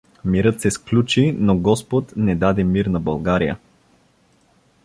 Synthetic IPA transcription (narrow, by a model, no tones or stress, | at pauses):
miɾɤt̪sɛsklʲut͡ʃinoɡɔspot̪nɛd̪ad̪ɛmiɾnɐbɐlˠɡaɾijə̰